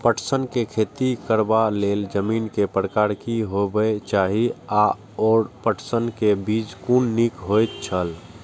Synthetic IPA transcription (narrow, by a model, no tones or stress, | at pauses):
pəʈʰsənkekʰeːt̪ikəɾbaleld͡ʒəmiːnkepɾəkaːɾkiɦobəet͡ʃaːɦia | ɔːɾpəʈʰsənkebiːd͡ʒkunːikɦojt̪t͡ʃʰəl